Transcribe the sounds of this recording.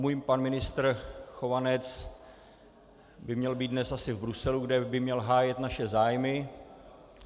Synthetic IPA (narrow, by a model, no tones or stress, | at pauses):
mujmpanmɪnɪst̪rxovanɛt͡s | bɪmɲɛlbiːt̪d̪nɛsʔasɪvbɾusɛluɡdɛbɪmɲɛlɦaːjɛt̪naʃɛzaːjmɪ